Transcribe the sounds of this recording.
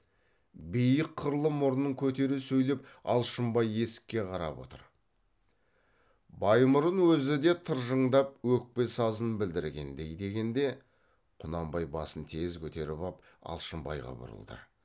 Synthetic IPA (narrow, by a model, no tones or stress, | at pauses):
bejəqʰːʊɾlˠəmʊɾnəɴkʲʰɵt̪e̞ɾɪsɵjlepɑlˠʃəmbɑje̞sɪ̥kʲːe̞qʰɑɾɑ̰pwo̞̰t̪ə̰ɾ | bɑjmʊɾənwɵzɪd̪e̞t̪ʰəɾʒəɴd̪ɑp̚wɵk̚pe̞sɑzənbɪld̪ɪɾɡʲe̞̰nd̪e̞jd̪e̞ɡʲe̞nd̪e̞ | qʰʊnɑmbɑjbɑsənt̪ʰe̞zkʲʰɵt̪e̞ɾɪbɑp̚ | ɑ̰lˠʃəmbɑ̰jʁɑ̰bʊ̰ɾə̰lˠd̪ə̰